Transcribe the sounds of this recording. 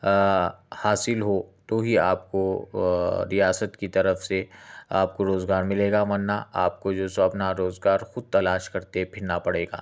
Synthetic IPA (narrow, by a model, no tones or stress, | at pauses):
haːsɪlɦot̪oɦiaːp̚ko | ɾijaːsət̪kit̪ɐɾəfseaːpkoɾoːzɡaːɾmɪleːɡamɐnːaaːp̚kod͡ʒoːsɐpnaɾoːzɡaːɾxʊd̪̚t̪ɐlaːʃkɐɾt̪epʰɪnapɐɽeːɡa̰ː